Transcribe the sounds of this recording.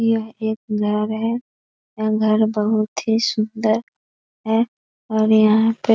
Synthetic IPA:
jɐɦeːk̚ɡʱɐɾɦɛ | jaɡʱɐɾbəɦʊt̪ɦisʊnd̪əɾ | ɦɛ | ɔːɾjɐɦãpe

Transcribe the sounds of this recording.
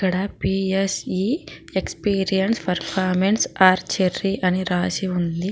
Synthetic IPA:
kːɐɽɐpiːesiekspiːɾijɐnspɐɾpʰaːɾmensaːɾt͡ʃerːiʔɐniɾaːsiund̪i

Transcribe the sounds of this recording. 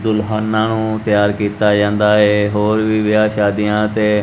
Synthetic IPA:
d̪ʊlɦaːnːãːnũːt̪ɪjaːɾkiːt̪aːd͡ʒãːnd̪aːɦeːɦoːɾʋiːʋɪaːʃaːd̪ijãːt̪eː

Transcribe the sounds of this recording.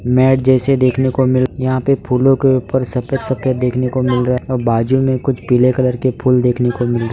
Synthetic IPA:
mɛːʈ̚d͡ʒɛːsed̪eːkʰnekomɪljɐɦãpepʰuːlõkeuːpəɾsɐpjət̪sɐpjət̪̚d̪eːkʰnekomɪlɾɐɔːɾbaːd͡ʒumẽkʊt͡ʃʰpiːlekələɾkepʰuːld̪eːkʰnekomɪlɾ

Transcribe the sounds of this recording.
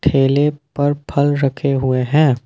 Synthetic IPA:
ʈʰeːlepɐɾpʰɐlɾɐkʰeɦʊeɦɛ̃ː

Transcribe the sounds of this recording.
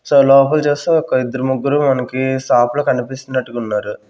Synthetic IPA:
soːlɔːpɐlt͡ʃeːst̪eːɔkːɐid̪ːɐɾɐmuɡːuɾumɐnɐkisaːplɐːkɐnipist̪unːɐʈːukunːaːɾu

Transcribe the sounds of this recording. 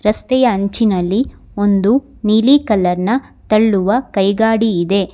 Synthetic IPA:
ɾɐst̪ɛjɐːɲt͡ʃinɐlːi | o̞nd̪u | niːlikɐlːɐɾnɐt̪ɐɭːuʋɐkɐjɡaːɽiːd̪e̞

